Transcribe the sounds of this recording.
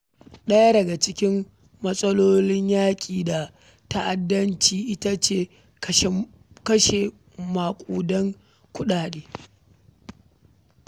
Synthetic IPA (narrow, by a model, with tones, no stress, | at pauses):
ɗɐ˦ja˦dɐ˨ɡa˨t͡ʃɪ˦kʲɪ˦m | mɐ˦sʼɐ˦loː˦lɪ˦ɲjaː˦kʲʼiː˨da˨ | ta˦ʔa˨dːɐ˦nt͡ʃiː˨ʔɪ˦ta˦t͡ʃeː˦˨ | kʃ | kɐ˦ʃe˨ | maː˨kʷʼuː˨dɐ˦ŋ | kʷʊ˦ɗaː˨ɗeː˨˦